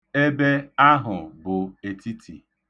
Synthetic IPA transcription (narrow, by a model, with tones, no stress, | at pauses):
e˦be˦a˦ɦʊ˨bʊ˨e˨ti˦tʰḭ˨